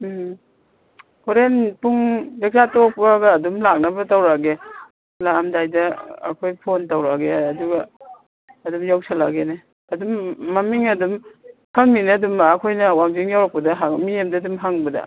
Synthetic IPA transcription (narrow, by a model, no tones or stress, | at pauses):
koɾenpuŋbek̚satok̚paɡɐːdumlak̚nɐbɐtawɾaɡe | lamdajdɐ̰ːkʰojpʰontawɾaɡeɐduɡɐː | dumjawsʰala̰ɡene | ɐdumːamiŋɐdumhaŋninedumaːkʰojnɐwamziŋjawɾak̚pɐdɐɦaŋmijemdadumɦaŋbɐdɐ̰